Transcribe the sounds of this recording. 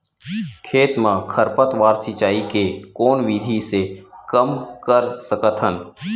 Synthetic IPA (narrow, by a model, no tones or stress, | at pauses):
kʰeːt̪mãkʰəɾpət̪ʋaːɾsɪt͡ʃaːikekoːnʋid̪ʱisekəmkəɾsəkət̪ʰɦən